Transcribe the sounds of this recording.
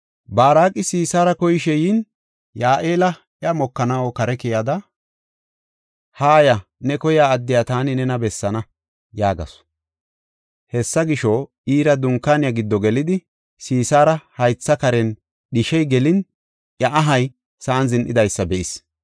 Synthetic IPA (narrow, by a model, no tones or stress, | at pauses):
baːɾaːkʼːɪsiːsaːɾɐkɔjɪʃɛjiːn | jaːʔeːlɐ | ʔjɐmɔkːɐnɐwokɐɾɛkɛjad̪ɐ | haːjɐnɛkɔjaːd̪ːɪjat̪aːnɪnɛnɐbɛsːɐnɐ | jaːɡɐ̰s | hɛsːɐɡɪʃo | iːɾɐd̪ʊŋkːaːnɪjɐɡɪd̪ːɔɡɛlɪd̪ɪ | siːsaːɾɐhɐjt͡sːɐkɐɾɛn | ɗɪʃɛjɡɛlɪn | ʔjɐʔɐɦɐj | sɐːnzɪnʔɪd̪ɐjsːɐbɛʔɪs